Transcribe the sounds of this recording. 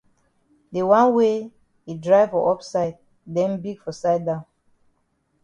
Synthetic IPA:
de˨wã˦nwe˦ | i˨dɹaɪvɔ˨ʔɔ˦psaɪd̚ | dɛ̃˦nbi˦ɡfɔ˨saɪd̚dã˦ʊ̃n

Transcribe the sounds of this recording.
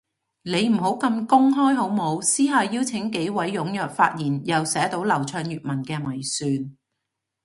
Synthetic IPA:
ne˨˧jm̩˨˩ɦo˨˥wkɐ˧mkʊ˥ŋɦɔː˥jɦo˨˥wmo˨˧wsiː˥ɦaː˨ji˥wt͡sʰɪ˨˥ŋke˨˥jwɐ˨˥jːʊ˨˥ŋjœː˨k̚faː˧t̚jiː˨˩njɐ˨wsɛː˨˥t̪o˨˥wlɐ˨˩wt͡ʃʰœː˧ŋjyː˨t̚mɐ˨˩nkɛː˧mɐ˨˩jsyː˨˧n

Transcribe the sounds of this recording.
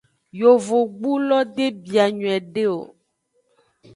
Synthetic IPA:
jo˨vo˨ɡ͡bu˦lɔ˦d̪e˦bi˨a˨ɲũ˨ɛ˨ɖe˦o̰˨

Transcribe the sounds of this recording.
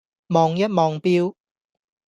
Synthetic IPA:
mɔː˨ŋjɐ˥t̚mɔː˨ŋpiː˧˥w

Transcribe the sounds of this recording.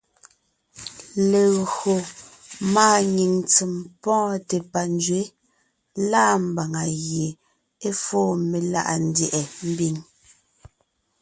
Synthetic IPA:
le˨ɣɰo˨maː˦˨ɲi˨ŋt͡si˨mpɔ̃ː˦te˨pa˨n˦d͡ʒɥe˨˦ | la˦m̩˨ba˨ŋa˨ɣje˨ | e˦foː˦me˨la̰˦ʔa̰˨n̩˦djɛ˨ʔɛ˨m̩˦bi˨ŋ

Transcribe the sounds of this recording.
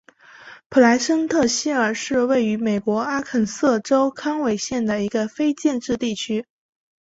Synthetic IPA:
pʰu˨˩la˧˥ɪʂə˥ŋt̪ʰɤ˥˧ɕi˥ə˞˨˩ʂɻ̩˥˧we˥˩ɪy˧˥me˨˩ɪkwɔ˧˥a˥kʰə˨˩nsɤ˥˩ʈ͡ʂo˥ʊkʰɑ˥ŋwe˨˩ɪɕjɛ˥˩nd̪ə˩i˧˥ɡə˧fe˥ɪt͡ɕjɛ˥˧nʈ͡ʂɻ̩˥˧t̪i˥˩t͡ɕʰy˥

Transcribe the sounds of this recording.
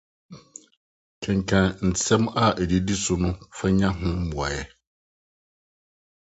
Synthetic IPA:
kʰɛ̃˨ŋ˨kʰã˨n̩˨sɛ̃˦ma˦ʔe˨di˨˦di˦sʊ˨nʊ̃˦fa˦ɲã˦ɦʊ̃˦m̩˦mʊ˨a̰˨jɛ˦

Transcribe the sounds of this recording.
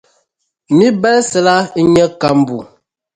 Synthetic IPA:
mi˦bɛ˦lsɛ˨la˦ɲə˦ka˦m˨bu˨

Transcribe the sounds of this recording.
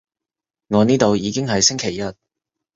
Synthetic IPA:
ŋɔː˨˧niː˥t̪o˨˧wjiː˨˧kɪ˥ŋɦɐ˨jsɪ˥ŋkʰe˨˩jːɐ˦˥t̚

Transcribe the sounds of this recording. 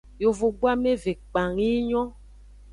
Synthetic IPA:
jo˨vo˨ɡ͡bwa˦me˦ve˨k͡pa˨ŋi˦ɲɔ̃˦

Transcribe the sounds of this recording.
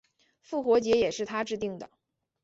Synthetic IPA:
fu˥˩xwɔ˧˥t͡ɕjɛ˧˥jɛ˨˩ʂɻ̩˥˩t̪ʰa˥ʈ͡ʂɻ̩˥˧t̪i˥˩ŋd̪ə˩

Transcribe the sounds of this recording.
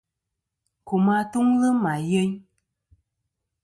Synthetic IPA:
ku˨ma˦tu˦ŋlə˦ma˨je˦ɲ

